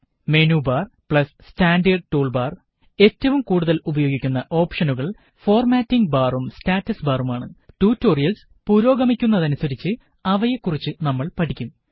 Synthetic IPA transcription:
menuːbaːrpɭɐs | staːnɖɐɖ̚ʈuːɭbaːr | e̞tːɐʋumkuːɽuðɐlubɐjo̞ːɡikʲːunːɐʔo̞ːpʂɐnuɣɐɭ | fo̞ːrmaːtːiŋɡbaːrumstaːtːɐsbaːrumaːɳɨʈuːtːoːrijɐls | puːɾo̞ːɡɐmikʲːunːɐðɐnusɐɾit͡ɕːɨ | ɐʋɐjekːurit͡ɕːɨnɐmːɐɭpɐʈʰikʲːum

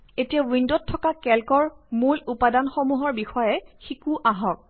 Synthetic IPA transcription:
etijawindotʰːɔkakɛlkɔɹmulupadanxɔmuɦɔɹbixɔjɛxikuʔaɦɔk̚

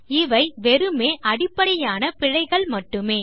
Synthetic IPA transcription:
ɪʋɐɪʋɛɾɯmeːʔɐɽɪpːɐɽɐjaːnɐpɪɻɐɪɣɐɭmɐʈːɯmeː

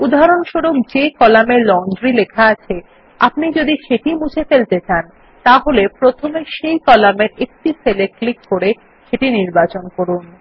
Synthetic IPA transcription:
ud̪ʱaɾonʃoɾok̚d͡ʑekɔlamelɔnd̪ɾilekʰaat͡ɕʰe | a̰pnid͡ʑod̪iʃeʈimud͡ʑʰʱefelt̪et͡ɕan | t̪aɦolepɾot̪ʰomeʃejkɔlameɾek̚ʈifʰeleklikːoɾe | ʃeʈiniɾbat͡ɕonkoɾun

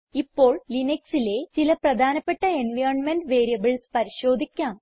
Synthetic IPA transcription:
ipːo̞ːɭlineksile̞t͡ɕilɐprɐd̪ʱaːnɐpːe̞ʈːɐenʋɐjrnmenɖʋe̞ːɾijɐbɐɭspɐɾiɕo̞ːd̪ʱikʲːaːm

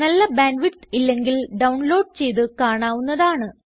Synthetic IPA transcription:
nɐlːɐbaːnʋitilːe̞ŋɡilɖɐwɳlo̞ːɖ̚t͡ɕe̞jðɨkaːɳaːʋunːɐðaːɳɨ

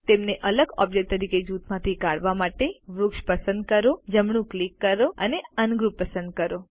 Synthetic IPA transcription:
t̪emneʔələɡɔ̰b̚d͡ʒek̚t̪ːəɾiked͡ʒut̪mãt̪ʰikaɽʋamaʈeʋɾʊkʃpəsənd̪̚kəɾod͡ʒəmɳũklikːəɾoə̰neənɡɾupːəsənd̪̚kəɾo

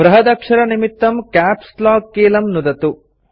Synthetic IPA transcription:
bɾɐɦɐd̪ɐkʂɐɾɐnimit̪ːɐmkaːpslaːkːeːlɐmnud̪ɐt̪u

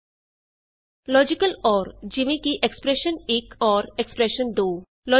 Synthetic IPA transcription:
lɔːd͡ʒɪkəlɔːɾd͡ʒɪʋẽkiʔekspɾeʃənekʰɔːɾekspɾeʃənd̪oː | lɔː

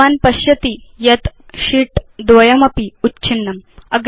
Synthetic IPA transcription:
aːnpɐɕjɐt̪ijɐt̪ | ɕiʈd̪ʋɐjɐmɐpiutːt͡ʃʰinːɐmɐɡ

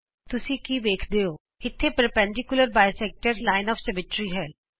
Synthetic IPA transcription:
t̪ʊsĩːkiːʋeːkʰd̪eːoː | ɪt̪ʰːepɾəpɛ̃ɳɖɪkjʊləɾbaːjsɛːk̚ʈəɾlaːɪnɔːfsɛmɪʈɾiːɦɛː

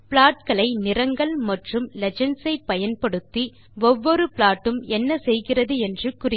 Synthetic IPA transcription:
pɪɭaːʈkɐɭɐɪnɪɾɐŋɡɐɭmɐʈrɯmlɛd͡ʒɐnsɐɪpːɐjɐnpɐɽɯt̪ːi | ɔʋːɔɾɯpɪɭaːʈːɯmɛnːɐsɛjɣɪrɐðɯɛndrɯkʊrɪ

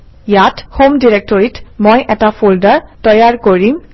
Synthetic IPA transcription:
jathomdiɹɛk̚tɔɹitmojʔɛtapʰuldaɹtɔjaɹkoɹim

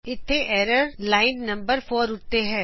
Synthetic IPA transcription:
ɪt̪ʰːeːʔɛːɾəɾlaːɪnːəmbəɾpʰoːɾʊt̪ːeːɦɛː

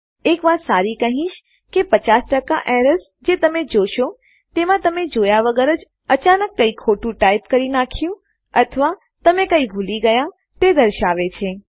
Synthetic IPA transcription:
ekʋat̪saɾikəɦĩʃ | kepət͡ʃasʈəka̰ʔɛɾəs | d͡ʒet̪əmed͡ʒoʃo | t̪emãt̪əmed͡ʒojaʋəɡəɾəd͡ʒ | ət͡ʃanəkːəikʰoʈũʈajpkəɾinakʰjũ | ət̪ʰəʋa | t̪əmekəibʱuliɡəja | t̪ed̪əɾʃaʋet͡ʃʰe

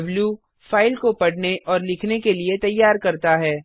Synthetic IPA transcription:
bljuː | faːɪlkopɐɽ̤neʔɔːɾlɪkʰnekeliet̪ɐjːaːɾkɐɾt̪aɦɛː

